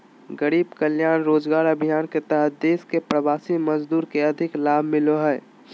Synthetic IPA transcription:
ɡəɾiːbkəljaːnɾoːd͡ʒɡaːɾəbʱijaːnket̪ɐɦt̪̚d̪eːskepɾɐʋaːsimɐzd̪uːɾkeɐd̪ʱɪklaːbʱmɪloɦə

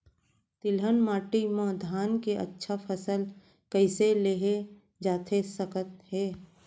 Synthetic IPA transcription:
t̪ɪlɦənmaːʈimõd̪ʱaːnkeʔə̰tːʃʰapʰəsəl | kəɪseleɦe | d͡ʒaːt̪ʰesəkət̪̚ɦɛː

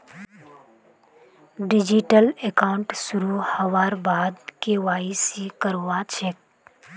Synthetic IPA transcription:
ɖɪd͡ʒiʈəlekaːʊɳʈsʊɾuhəʋaːɾbaːd̪̚kewaːisikəɾːat͡ʃʰek̚

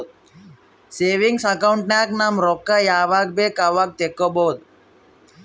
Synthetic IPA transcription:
seːʋiŋɡsɐkɐwɳʈnaːknɐmɾɔkːajaːʋaːk̚beːkaʋak̚t̪ekːobowd̪u

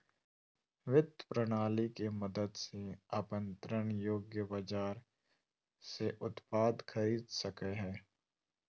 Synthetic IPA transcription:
ʋɪd̪pɾəɽ̃aːlikemɐd̪əd̪seapə̃nt̪ɾəɳjoːɡjəbad͡ʒaːɾ | seʔʊt̪paːd̪kʰɐɾiːd̪sɐkeɦɛː

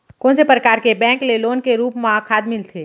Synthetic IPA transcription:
kɔ̃ːnsepɾəkaːɾkebɛ̃ːŋkleloːnkeɾuːpmãkʰaːd̪mɪlt̪ʰeː

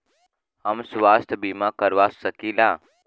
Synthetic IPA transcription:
ɦəmsʋaːst̪ʰbimakəɾʋasəkiːlaː

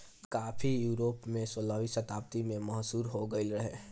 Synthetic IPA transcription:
kaːfʰijuːɾoːpmẽsoːlaːʋisɐt̪aːp̚t̪imẽmɐɦsuːɾɦoɡəɪlɾɐɦeː

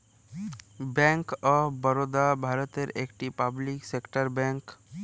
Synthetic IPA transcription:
bɛ̃ŋkɔbəɾod̪abʱaːɾət̪eɾekʈipabliksekʈəɾbɛ̃ŋk

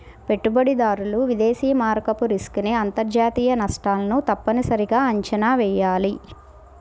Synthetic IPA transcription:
pe̞ʈːubɐɽid̪aːɾuluʋid̪eːsiːɐmaːɾkɐpuɾiskuneɐnt̪ɐɾd͡ʒaːt̪iːjɐnɐsʈaːlɐnut̪ɐpːɐnisɐɾiɡaːɐɲt͡ʃɐnaːʋɛːjaːli

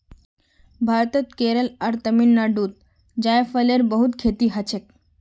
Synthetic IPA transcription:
bʱaɾt̪ət̪keɾəlaɾt̪əminːaɖuːt̪̚ | d͡ʑajfəleɾbəɦut̪kʰet̪iːɦat͡ɕʰek

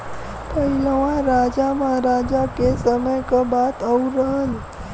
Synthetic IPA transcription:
pəiləʋãɾad͡ʒamãɾad͡ʒakesəməjkəbat̪əuɾəɦəl

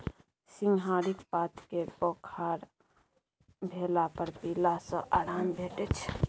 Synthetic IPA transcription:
siŋɡɦaɾikpat̪ʰkepokʰaɾ | bʱelapəɾpilasə̃ʔaɾambʱeʈɛt͡ʃʰ

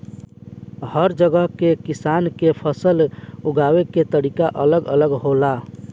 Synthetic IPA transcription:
həɾd͡ʒəɡəɦkekisaːnkepʰəsəluɡaweket̪əɾikaʔələɡə̰ləɡɦola

